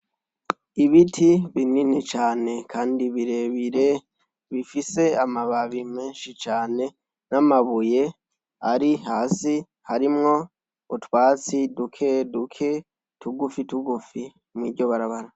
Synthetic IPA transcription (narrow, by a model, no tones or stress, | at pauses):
iβitʰiβininit͡ʃaːne̞kʰaːndiβiɾe̞βiɾe | βifise̞amaβaβimeːnʃit͡ʃaːne̞ | namaβuje̞ | aɾihaːsi | haɾimŋo̞ | utwaːt͡sidukʰedukʰe̞ | tuɡufituɡufi | mwḭdɟo̞βaɾaβaɾa